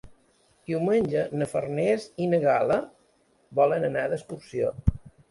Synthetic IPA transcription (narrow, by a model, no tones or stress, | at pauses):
d̪̥iwmənʲʒənəfərnezinəɣalə | bɔlənənaðəskuɾsio̰